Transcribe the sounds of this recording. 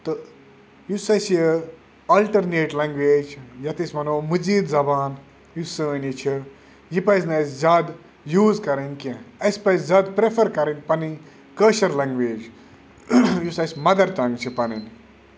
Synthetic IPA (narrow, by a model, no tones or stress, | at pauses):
t̪ɨ | jusɐjsjə | ɐːlʈɐɾneːʈlɐ̃ŋɡʋeːd͡ʒjɐt̪isʲmɐnoːmɨziːd̪zɐbaːn | jusɨnit͡ʃʰi | jipɐjznɐszʲaːd̪ | juːzkɐɾɐnkẽɐjspɐjszʲaːd̪pɾefɐɾkɐɾɐnʲpɐni | kəːʃɐɾlɐ̃ŋɡʋeːd͡ʒ | jusɐjsʲmɐd̪ɐɾt̪ɐŋt͡ʃʰipɐnin